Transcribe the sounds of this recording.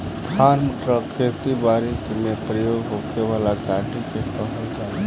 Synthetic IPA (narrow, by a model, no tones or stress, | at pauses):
d̪ʱʰanməʈɾəkʰeɾt̪ibaɾikmepɾəjoɡɦokeʋalakaʈiket̪əɦəlka